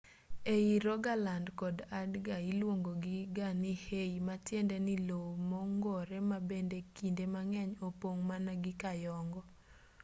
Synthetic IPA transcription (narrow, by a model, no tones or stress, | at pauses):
eiɾɔɡalandkɔdadɡailwoŋɡoɡɪɡanɪheimatjendɛnɪlowmɔŋɡɔɾɛmabendekindemaŋɛɲopoŋmanaɡɪkajɔŋɡɔ